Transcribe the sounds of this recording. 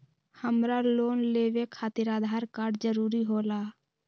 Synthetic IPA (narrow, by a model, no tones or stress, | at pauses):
həmɾaloːnleːʋekʰaːt̪ɪɾaːd̪ʱaːɾkaːɾɖd͡ʒəɾuːɾiɦoːlaː